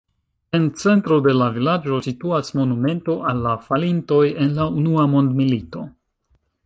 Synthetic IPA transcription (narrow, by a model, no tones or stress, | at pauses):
e̞nt͡se̞ntɾo̞de̞lavilad͡ʒo̞situasmo̞nume̞nto̞ʔalːafalinto̞je̞nlaunuamo̞ndmilito̞̰